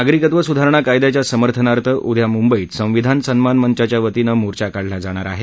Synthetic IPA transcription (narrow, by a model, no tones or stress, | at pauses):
aɡɾikət̪ʋəsud̪ʱaɾəɳ̃akajd̪jat͡ɕjasəməɾt̪ʰənaɾt̪ʰəʔud̪ʱjamumbəiːt̪sə̃ʋid̪ʱansənmanmənt͡ɕat͡ɕjaʋət̪inəmoɾt͡ɕakaɽlad͡zaɽ̃aɾa̰ɦe